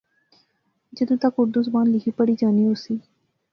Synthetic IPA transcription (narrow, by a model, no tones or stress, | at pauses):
d͡ʒəd̪õːt̪akʊɾd̪ʊs̬baːnlɪkʰiːpəɽiːd͡ʒaːniːɦosiː